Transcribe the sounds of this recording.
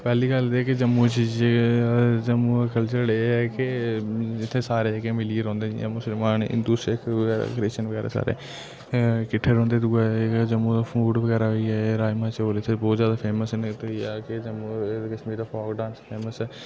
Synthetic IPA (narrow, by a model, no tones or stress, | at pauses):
pɛːliːɡəld̪ːkɪd͡ʒəmːuːt͡ʃiːd͡ʒe | d͡ʒəmukəlt͡ʃəɾleːɛːkɪd͡ʒɪt̪ʰːeːsaːɾeːkemɪliɾɔ̃ːnd̪eːd͡ʒḭaːmʊsəlmaːnɪ̰d̪uːsɾekəɡɛːɾa̰kɾeːʃənʋəɡɛ̰ːɾḛːsa̰ːɾḛː | kɪʈʰːeɾɦõːnd̪eːd̪uɛd͡ʒəmːud̪apʰuːɖʋəɡɛːɾaːɦoiːɛːɾaːjmãːt͡ʃoːlet̪ʰːebɔːt̪zjaːd̪aːpʰeːməsɪnt̪ʊiaːkɪd͡ʒəmːukəʃmiːɾd̪aːpʰɔːkɖãːnspʰeːməsɛː